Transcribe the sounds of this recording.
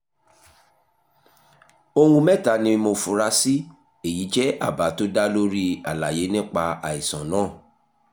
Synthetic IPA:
o˧wũ˧mɛ˦˨ta˨nĩ˧mo˧fu˨ɾa˧si˦ | e˦˨ji˨˦d͡ʒɛ˦ʔa˦˨ba˨˦to˦da˦lo˦ɾi˦a˨la˨je˨˦nĩ˦k͡pa˧a˨i˨sã˨nãː˦˨

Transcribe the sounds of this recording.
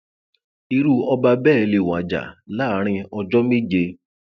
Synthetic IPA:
i˧ɾu˦ɔ˧ba˧bɛ˦˨le˨wa̰˨d͡ʒa̰˨la˦ɾ̃ĩ˧ɔ˧d͡ʒɔ˦me˦d͡ʒe˧

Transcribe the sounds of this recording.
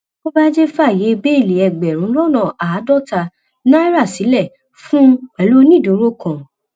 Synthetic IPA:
o˦ba˦d͡ʒe˦fa˦˨je˨˦˧ɡ͡be˦i˦˨le˨ɛ˨ɡ͡bɛ˨ɾ̃ũ˨˦lɔ˦˨nã˦˨ʔa˨˦dɔ˦˨ta˧ | nã˦i˦ɾa˦˨si˨˦lɛ˦˨ | fũ˦ɛ˧˨lo˦nĩ˦˨do˨˦ɾo˦kã˨

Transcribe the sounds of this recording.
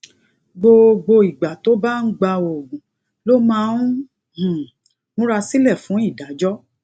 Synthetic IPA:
ɡ͡bo˧ɡ͡bo˧i˨ɡ͡ba˨to˨˦ba˦n̩˦ɡ͡ba˧o˨ɡũ˨ | lo˦mã˦nũ˦ | h̩˨ | nũ˦ɾa˧si˦lɛ˦˨fũ˨˦i˦˨da˨˦d͡ʒɔ˦

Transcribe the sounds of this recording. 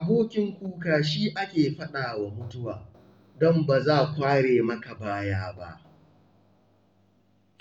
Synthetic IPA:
ʔa˨boː˦kʲɪ˨ŋkʷuː˦kaː˨ʃiː˦ʔa˦kʲeː˨ɸɐ˦ɗaː˨wa˨mʊ˦tʊ˦waː˨ | dɔ˦mba˨zaː˦˨kʷaː˦ɽeː˨mɐ˦ka˨baː˦jaː˦ba̰˦ʔ

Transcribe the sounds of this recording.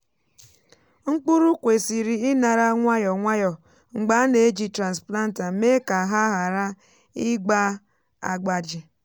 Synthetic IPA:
ŋ͡m̩˦k͡pu˦ɾu˦kʷe˨si˨ɾi˨ɪ˦na˨ɾa˦ŋʷa˦jɔ˨ŋʷa˦jɔ˨ | ŋ͡m̩˨ɡ͡ba˦ne˨e˦d͡ʒi˨tɾa˨nspla˦n̩˦ta˨me˦ka˨ɦa˦ɦa˨ɾa˦ | ɪ˦ɡ͡ba˦ | a̰˨ɡ͡ba˨d͡ʒɪ˨

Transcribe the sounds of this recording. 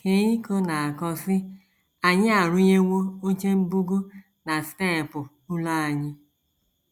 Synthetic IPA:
ke˨ɲi˦ko˦na˨a˨kɔ˦sɪ˦ | a˨ɲɪ˦a˨ɾʊ˦ɲe˦wo˦o˦t͡ʃe˦m̩˦bu˦ɡu˦ | na˨ste˦˨pʊ˨ | ʊ˦la˦˨a˨ɲɪ˦

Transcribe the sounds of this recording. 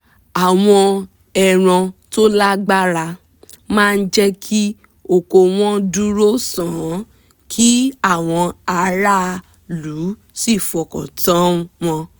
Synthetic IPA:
a˨w̃ɔ̃˧ | ɛ˧ɾ̃ɔ̃˧to˦la˦ɡ͡ba˦ɾa˧ | mãː˦˧n̩˦d͡ʒɛ˦kʰi˦ | o˨ko˧w̃ɔ̃˦du˦ɾo˦sã˨˦ | kʰi˦a˦˨w̃ɔ̃˧a˧ɾa˦˧ | lu˨˦ | si˦˨fu˨ɔ˨kɔ̰˨tã˨˦wɔ̃˧

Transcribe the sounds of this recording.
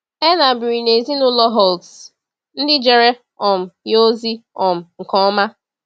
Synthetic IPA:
e˦na˨bɪ˨ɾi˨ne˨zi˦nʊ˦lɔ˦ɦɔ˨lds | n̩˦dɪ˦d͡ʒe˨ɾe˦ | ɔ˨m̩˨jo˦zi˦ɔ˨m̩˨ŋ̩˨kɔ˦ɔ˦ma˦

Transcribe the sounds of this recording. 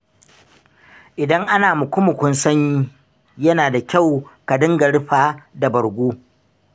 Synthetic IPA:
ʔɪ˨dɐ˦ŋʔa˦naː˨mʊ˨kʷʊ˦mʊ˨kʷʊ˦nsɐ˦ɲji˦ | jɐ˦naː˨da˨kʲa˦˨wka˨dɪ˦ŋɡɐ˨ɽɸaː˦da˨bɐ˨ɽɡʷoː˦

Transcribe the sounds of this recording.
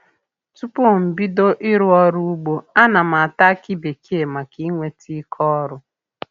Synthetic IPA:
tu˦po˦m̩˨bi˦do˦ʔɪ˦ɾʊ˦ɔ˦ɾu˦u˦ɡ͡bo˦a˦na˨m̩˨a˨ta˦ki˦be˨kʰi˦e˨ma˨ki˦ŋʷe˦tʰi˦kʰɔ˦ɾʊ˦

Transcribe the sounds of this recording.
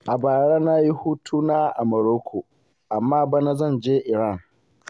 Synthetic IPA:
ʔa˨baː˨ɽa˦na˦ji˦huː˦tʰuː˦naː˦ʔa˨mɐ˨ɾoː˦kʷʰoː˨ | ʔa˨mːaː˦ba˦na˦zɐ˦˨nd͡ʒeː˦ʔɪ˨ɾa˦˨ŋ

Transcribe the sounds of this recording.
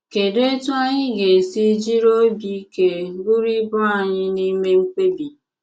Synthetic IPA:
ke˨de˦e˦tu˦a˦ɲɪ˦ɡe˨si˦d͡ʒi˦ɾo˦bi˦ke˨˦ɡu˦ɾi˦bɔ˦a˨ɲɪ˦ni˦me˦ŋ͡m̩˦k͡pe˦bi˨

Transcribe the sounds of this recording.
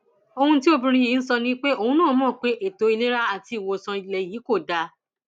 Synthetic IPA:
o˧hũ˧ti˦o˧bĩ˧ɾ̃ĩ˧ji˨˦n̩˦sɔ˧nĩ˦k͡pe˦o˧hũ˧˦nãː˦˨˦mɔ̃ː˦˨k͡pe˨˦ʔe˦˨to˨˦i˧le˦ɾa˦a˦˨ti˧˨wo˧˨sã˧i˨lɛ˨jiː˨˦ko˦˨da˧

